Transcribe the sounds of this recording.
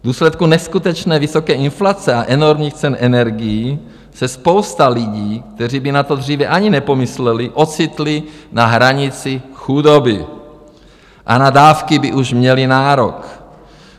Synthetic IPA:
vd̪uːslɛt̪̚kunɛskut̪ɛt͡ʃnɛːvɪso̞kɛːʔɪnflat͡sɛaʔɛno̞ɾmɲiːxt͡sɛnʔɛnɛɾɡɪji | sɛspo̞wst̪alɪɟiːkt̪ɛr̝iːbɪnat̪o̞d̪r̝iːvɛʔaɲinɛpo̞mɪslɛlɪʔo̞t͡sɪt̪lɪnaɦɾaɲɪt͡sɪxudobɪ | ʔa̰nadaːfkɪbɪʔuʃmɲɛlɪnaːɾok

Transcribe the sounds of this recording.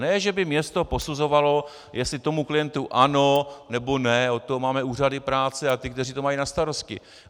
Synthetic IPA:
nɛʒɛbɪmɲɛst̪o̞po̞suzo̞valo̞ | jɛstlɪt̪o̞muklɪjɛnt̪uʔano̞nɛbo̞nɛo̞t̪omaːmɛuːr̝adɪpɾaːt͡sɛat̪ɪkt̪ɛriːt̪o̞majinast̪aɾo̞st̪cɪ̰

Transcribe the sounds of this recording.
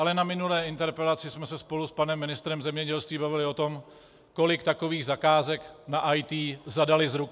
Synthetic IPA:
ʔalɛnamɪnulɛːɪnt̪ɛɾpɛlat͡sɪsmɛsɛspo̞luspanɛmːɪnɪst̪ɾɛmzɛmɲɛɟɛlst̪viːbavɪlɪo̞t̪o̞m | ko̞lɪkt̪ako̞viːɣzakaːzɛknaʔajt̪iːzadalɪzɾuk

